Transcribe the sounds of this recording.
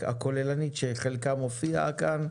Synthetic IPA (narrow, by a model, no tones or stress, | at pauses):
a̰kolelanit̪ʃeχelkamofia̰kan